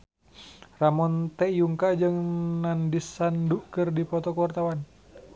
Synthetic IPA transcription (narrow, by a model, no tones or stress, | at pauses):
ramɔnt̪ɛjuŋkad͡ʒɨŋnandisːanduʔkɨrdipɔt̪ɔkəwart̪awan